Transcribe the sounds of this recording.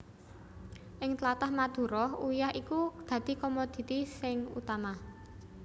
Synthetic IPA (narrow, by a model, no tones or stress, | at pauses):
ʔɪŋt̪lat̪ahmad̪̥ṳɾɔhujahikud̪̥ä̤d̪̥i̤kɔmod̪̥i̤t̪isɪŋṵt̪ama